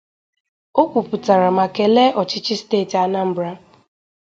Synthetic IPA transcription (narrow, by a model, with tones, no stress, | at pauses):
o˦kʷu˨pʊ˨ta˨ɾa˨ma˨ke˨le˦ʔɔ˨t͡ʃɪ˦t͡ʃɪ˦steː˦˨ta˦na˦m̩˦bɾa˦